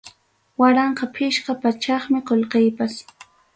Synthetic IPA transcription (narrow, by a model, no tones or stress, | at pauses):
waɾɑɴqɑpʰɪʃqɑpat͡ʃɑχmɪqolqejpas